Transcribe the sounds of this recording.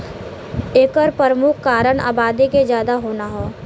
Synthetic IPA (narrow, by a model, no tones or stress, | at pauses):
eːkəɾpəɾəmʊkʰkaːɾəɽ̃ʔa̰ːbaːd̪iked͡ʒjaːd̪aɦoːnaɦoː